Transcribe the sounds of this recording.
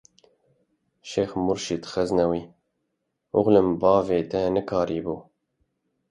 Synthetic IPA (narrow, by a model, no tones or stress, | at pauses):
ʃeːxmʊɾʃit̪xɛznɛwiː | ʊɣlɨmbɑːveːt̪ɛnɨkʰɑːɾiːbuː